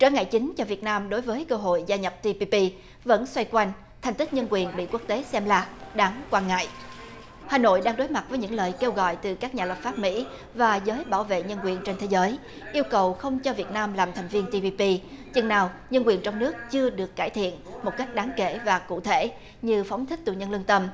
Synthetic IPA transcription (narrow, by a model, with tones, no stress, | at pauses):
t͡ɕəː˧˩ŋa̰ː˧˨jt͡ɕï˨˦ŋ̟t͡ɕɔ˧vi˨˩ət̚naː˧mɗo˨˦jvəː˨˦jkəː˧ɦo̰˧˨jzaː˧ɲə˨˩p̚t̪i˧pi˧pi˧ | və̰˧˥nswa˧jkwa˧jŋ̟ | t̪ʰɛ˨˩ŋ̟t̪i˦˥k̚ɲə˧nkwi˨˩ənɓḭ˧˨ku˦˥ək̚t̪e˨˦sɛ˧mlaː˨˩ɗaː˨˦ŋkwaː˧nŋa̰ː˧˨jʔ | haː˨˩no̰˧˨jɗaː˧ŋɗo˨˦jma˨˩t̚vəː˨˦jɲɨ̰˧˥ŋləː˨˩jke˧wɣɔ̰˧˨jt̪ɨ˨˩kaː˦˥k̚ɲaː˨˩lə˨˩p̚faː˦˥p̚mḭ˧˥ | vaː˨˩zəː˨˦jɓaː˧˩wvḛ˧˨ɲə˧nkwi˨˩ənt͡ɕe˧nt̪ʰe˨˦zəː˨˦j | ʔi˧əwkə˨˩wxə˧wŋ͡mt͡ɕɔ˧vi˨˩ət̚naː˧mlaː˨˩mt̪ʰɛ˨˩ŋ̟vi˧ənt̪i˧pi˧pi˧ | t͡ɕɨ̰˧˩ŋnaː˨˩w | ɲə˧nkwi˨˩ənt͡ɕɔ˧wŋ͡mnɨ˦˥ək̚t͡ɕɨ˧əɗɨ˨˩əkːaː˧˩jt̪ʰḭ˧˨ənmo˨˩t̚ka˦˥k̟̚ɗaː˨˦ŋkḛ˧˩˨vaː˨˩kṵ˧˨t̪ʰe˧˩˨ | ɲɨ˧fɔ˨˦wŋ͡mt̪ʰi˦˥k̟̚t̪ṵ˧˨˩ɲə˧nlɨ˧nt̪ə˧m